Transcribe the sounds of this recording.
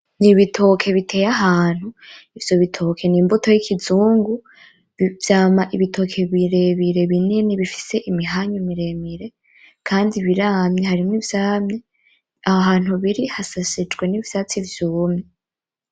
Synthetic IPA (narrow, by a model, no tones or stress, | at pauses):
niβitʰo̞kʰe̞βitʰe̞ːjaɦaːn̥huivjo̞βitʰo̞kʰe̞niːmbuto̞jikʰizuːŋɡu | βvjaːmaʔiβitʰo̞kʰe̞βiɾe̞βiɾe̞βininiβifi̥se̞ʔimiɦaɲomiɾe̞miɾe̞ | kʰaːndiβiɾaːmɲeɦaɾimŋivjaːmɲe | ahaɦaːn̥huβiɾihasasid͡ʒɡwe̞nivjat͡sivjuːmɲe